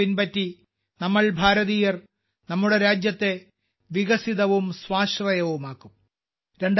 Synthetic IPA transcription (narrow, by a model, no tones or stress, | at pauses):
inpɐtːi | nɐmːɐɭbʱaːɾɐðiːjɐr | nɐmːuɽe̞ɾaːd͡ʑjɐt̪ːe̞ | ʋiɣɐsiðɐʋumsʋaːɕrɐjɐʋumaːkːum | ɾe̞ɳɖ